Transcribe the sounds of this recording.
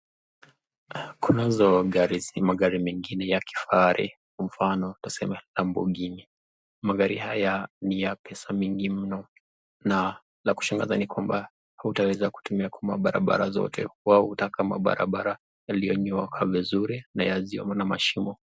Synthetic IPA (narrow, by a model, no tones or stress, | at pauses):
kunazɔɡaɾimaɠaɾimɛŋɡinɛjaki̥faaɾʔḭ | m̩fanɔtḁsɛmɛlambɔ̰ɠini | maɡaɾihajanijapʰɛsamiŋɡim̩nɔ | na | laku̥ʃaŋɡazanikwamba | hautawɛzaku̥tumiakwama̰ɓaɾa̰ɓa̰ɾazɔ̰tʰɛ̰wahutakama̰ɓa̰ɾa̰ɓaɾa | jalijɔɲɔakʰavizuɾinajaziɔ̰mɔnamaʃimɔ